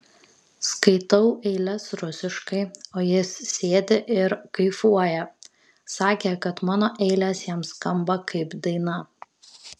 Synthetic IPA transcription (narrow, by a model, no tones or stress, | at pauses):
skɐɪt̪ɐʊʔɛɪlʲɛsɾʊsʲɪʃkɐɪoːjɪssʲeːd̪ʲɪʔɪɾkɐɪfuɔjɛ | sɑːkʲekɐt̪mɑːnoːʔɛɪlʲɛsjɛmskɐmbɐkɐɪpd̪ɐɪnɐ